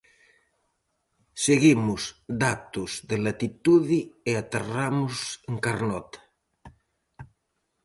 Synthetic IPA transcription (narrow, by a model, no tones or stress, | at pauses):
seɣimuzd̪at̪uzðelat̪it̪uðieat̪eramuseŋkaɾnɔt̪ḁ